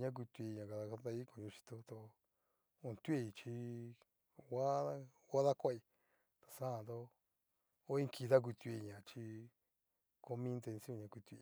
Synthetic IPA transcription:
ɲã˦k̬u˧t̪u˧e˧˨ɲã˨ka˧ða˧ka˧t̪a˧i˦ko˨ɲũ˧t͡ʃi̥˧t̪o˧t̪o˧ | o˧˨nt̪u˦e˧˨i˧t͡ʃi˧ | wa˦ða˦ | wa˦ða˦kʷa˦i˧ | t̪ḁ˨sã˦˨nd̪o˦ | o˦ĩ˦kʰi˧ða˦k̬ʷi˧t̪i˧ɲã˨t͡ʃi˧ | ko˧mĩ˦˧nt̪e˧nsi˦õ˦˧˨ɲã˧kʷi˧t̪u˧i˧

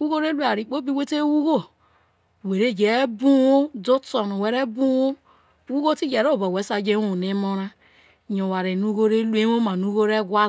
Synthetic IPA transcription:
wu˦ɣo˦ɾe˦lu˦a˨ɾi˨k͡po˦bi˦we˦te˦wu˦ɣo˦˨ | we˨ɾe˦d͡ʒe˨e˦bu˦wo˦do˦to˨no˨we˨ɾe˦bu˦o˦ | wu˦ɣo˦ti˦d͡ʒe˨ɾo˦˨ba˨we˨˦sa˦d͡ʒe˦u˨ne˦mo˦ɾa˦˨ | ɲo˨wa˨ɾe˨nu˦ɣo˦ɾe˦lu˦e˦o˦ma˨nu˦ɣo˦ɾe˦ɡwa˦

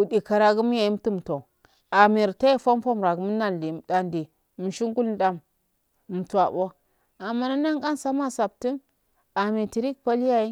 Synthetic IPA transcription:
u˨di˨ka˨ɾa˨ɡu˦m˦ja˨i˦m˦ti˦m˨to˨ | a˨mi˨ɾta˦ji˦fo˦m˦fo˦m˨ɾa˨ɡu˨˦m˦na˦n˨di˨da˨ndi˨ | mi˨ʃi˦ŋɡu˦ln˦da˦m | m̩˨tu˨a˨bo˦ | a˨ma˨na˦na˦ŋka˦nsa˦ma˦sa˨b̚ti˦n | a˨mi˨ti˨ɾi˦k̚pa˦li˦ja˦i˦

